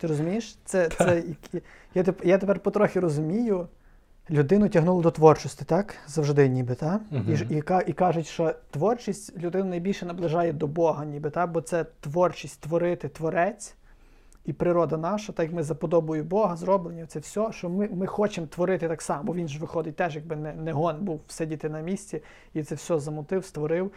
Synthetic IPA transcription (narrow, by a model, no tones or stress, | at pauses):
t̪ɪɾɔzʊmʲijɪʃt̪sɛsɛjɐk | jat̪epjat̪epɛrpɔt̪ɾɔxʲiɾɔzʊmʲijʊ | lʲʊd̪ɪnʊtʲɐɦnulˠɐd̪ɔt̪ʋɔrt͡ʃɔsʲtʲɪ̥t̪ɑkzɐwʒd̪ɪnʲibɪt̪ɑiikɑikɑʒʊtʲʃt͡ʃɔt̪ʋɔrt͡ʃisʲtʲlʲʊd̪ɪnʊnɐjbʲilʲʃɛnɐblˠɪʒɑjɛd̪ɔbɔɦɐnʲibɪt̪ɑkbɔt̪sɛt̪ʋɔrt͡ʃisʲtʲt̪ʋɔɾɪt̪ɪt̪ʋɔɾɛt͡sʲ | ipɾɪɾɔd̪ɐnɑʃɐt̪ɑjɐkmɪzɐpɔd̪ɔbʊjʊbɔɦɐzrɔblˠenʲit̪sɛwsʲɔʃɔmɪmɪxɔt͡ʃemt̪ʋɔɾɪt̪ɪt̪ɑksɑmɐbɔʋʲinʒʋɪxɔd̪ɪt̚ʲt̪ɛʒjɐɡ̚bɪnɛnɛɦɔnbuwwsɛdʲit̪ɪnɐmʲisʲt͡sʲi | it̪sɛwsʲɔzɐmʊt̪ɪwst̪ʋɔɾɪw